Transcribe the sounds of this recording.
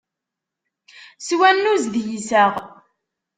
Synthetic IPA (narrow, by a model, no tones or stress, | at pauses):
swænːuzðjisæʁ